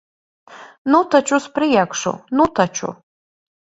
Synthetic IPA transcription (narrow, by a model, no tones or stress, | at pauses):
nutʰat͡ʃʰʼuspʰrijakʷʰʂo̰nutʰat͡ʃʰṵ